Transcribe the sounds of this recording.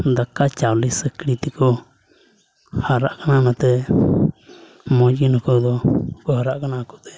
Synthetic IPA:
nd̪akat͡ʃalisekɾit̪iko | haɾaʔkanãnãt̪e | mõjinũkod̪okuhaɾaʔkanãku̥t̪e̥

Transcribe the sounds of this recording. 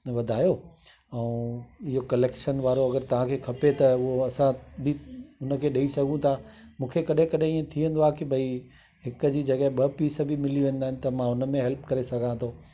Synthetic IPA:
ʋɐd̪ʱaːjo | ɛ̃ɪɦokɐleːkʃənʋaːɾoɐɡəɾt̪ɐʋ̤ãkʰeːkʰɐpet̪ɐʊɦoɐsãbʱɪʊnə̆kʰeːɗɐisɐɡʱũt̪ʰaːmũːkʰekɐɗɦẽkɐɗẽiẽt̪ʰiə̃nd̪aːkibʱɐi | ɦɪkəd͡ʑiːd͡ʑɐɡəɦẽɓɐpiːsbʱɪmɪliʋẽːnd̪aːɦɪ̃nɪ̆t̪ɐmãʊnəmẽɦɛlpkɐɾesɐɡʱãt̪ʰo

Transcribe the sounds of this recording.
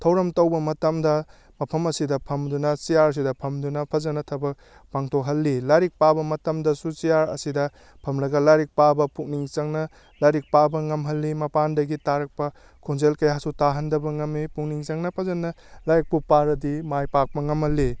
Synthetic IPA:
tʰɐwɾɐmtɐwbɐmɐtɐmdɐ | mɐpʰɐmɐsidɐpʰɐmdunɐsijaɾɐs̬idɐpʰɐmdunɐpʰɐzɐnːɐtʰɐbɐk̚ | paŋtʰokɦɐlːilaɾik̚pabɐmɐtɐmdɐsut͡ʃijaɾɐ̰sidɐ | pʰɐmlɐɡɐlajɾik̚pabɐpuk̚niŋt͡ʃɐŋnɐ | lajɾik̚pabɐŋɐmɦɐlːimɐpandɐɡitaɾɐk̚pɐ | kʰunzelkɐjasutaɦɐndɐbɐŋɐmːipukniŋt͡ʃɐŋnɐpʰɐzɐnːɐ | lajɾik̚pupaɾɐdimajpak̚pɐŋɐmhɐlːi

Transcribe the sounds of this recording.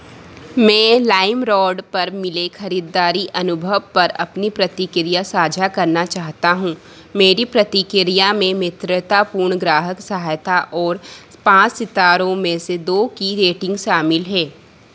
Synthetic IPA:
mɛ̃ːlaːɪmɾɔːɖpɐɾmɪlekʰɐɾiːd̪aːɾiʔɐnʊbʱəʋpɐɾɐ̰pnipɾɐt̪ikɪɾijasaːd͡ʒʱakɐɾnat͡ʃaːɦt̪aɦũː | meːɾipɾɐt̪ikɪɾijamẽmɪt̪ɾət̪apuːɾɳɡɾaːɦəksɐɦaːjt̪ʰaʔɔːɾ | pãːt͡ʃsɪt̪aːɾõmẽsed̪oːkiɾeːʈɪ̃ŋɡʃaːmɪlɦɛː

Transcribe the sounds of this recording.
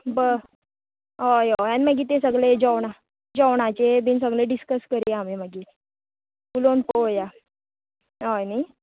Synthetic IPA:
bə | ojojanməɡiːt̪esəɡɭed͡ʑɔwɳa | d͡ʑɔwɳat͡ɕebiːns̬əɡleɖiskəskəɾiamiməɡiːt̪ | pulonpoja | ojni

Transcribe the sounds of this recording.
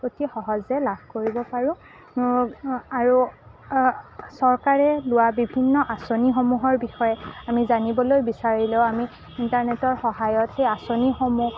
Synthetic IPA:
otixɔɦɔzɛlabʱkoɹibɔpaɹʊ̃ | aɹu | sɔɹkaɹɛlʊwabibʱinːɔʔasonixomuɦɔɹbixɔjɛamizanibɔlojbisaɹileʊ̃ami | intaɹnɛtɔɹxɔɦajɔtxejasonixomu

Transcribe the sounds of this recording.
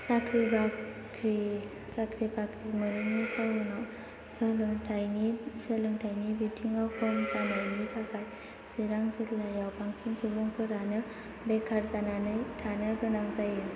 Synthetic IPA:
sakʰɾiba | ɾi | sakʰɾibakɾimɯɾɯŋnit͡sawunaw | səlɯŋtʰajnisəlɯŋtʰajnibitʰiŋapʰɔmt͡sanajnitʰakʰaj | siɾaŋsɯtlajawpaŋsinsubuŋpʰɯɾanɯ | bekʰaɾzananɯjtʰanɯɡənaŋzaje

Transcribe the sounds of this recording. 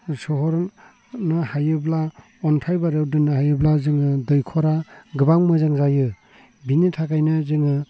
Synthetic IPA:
sɔɦɔɾ | nɯhajɯbla | ɔnpʰajbaɾɯwdɯnːɯhajɯblazɯŋɯdɯjkʰɔɾaɡɯbaŋmɯzaŋzajɯ | binitʰakajnɯzɯŋɯ

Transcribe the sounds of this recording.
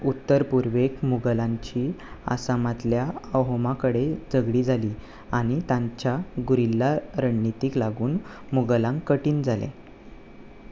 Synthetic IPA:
ut̪ːəɾpuɾʋekmuɡəlaɲt͡ɕiːa̰samat̪ljaəwɦəmakəɽed͡zəɡɽiːd͡zʱaliː | aɽ̃it̪ãɲt͡ɕjaɡuɾilːaɾəɳnit̪iːklaɡuːn | muɡəlãŋkːəʈiːnd͡zʱalḛ

